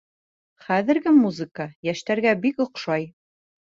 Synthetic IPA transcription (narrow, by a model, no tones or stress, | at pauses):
χæðɘ̆ɾɡɘmuzɨkajæʃt̪æɾɡæbikŏqʃɑj